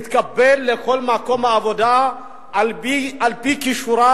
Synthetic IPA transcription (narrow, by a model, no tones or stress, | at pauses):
t̪kabːɛlːekolmakomaːvod̪a | liʔalpikiʃɾa